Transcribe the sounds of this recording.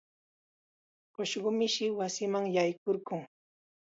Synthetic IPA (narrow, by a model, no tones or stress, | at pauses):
ɢoʃɢʊmɪʃɪwasɪmaŋjajkoɾɢʊŋ